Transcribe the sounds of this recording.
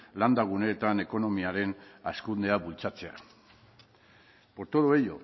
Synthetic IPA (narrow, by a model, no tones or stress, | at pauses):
land̪aɣ̞une̞ːt̪ane̞ko̞no̞miaɾe̞naskund̪e̞aβult͡sat͡se̞a̰ | po̞ɾt̪oðoejo̞̰